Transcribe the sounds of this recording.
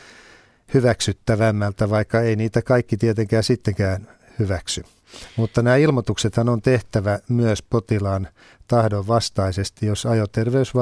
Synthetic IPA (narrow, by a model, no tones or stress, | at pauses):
hyʋæksyt̪ːæʋæmːælt̪æʋɑikːɑeiniːt̪ækɑikːit̪iet̪eŋkæːsit̪ːeŋkæːn | hyʋæksy | mut̪ːɑnæːilmot̪ukset̪hɑnont̪eht̪æʋæmyøspot̪ilɑːn | t̪ɑhdoʋʋɑst̪ɑisest̪ijosɑjot̪erʋeysʋɑ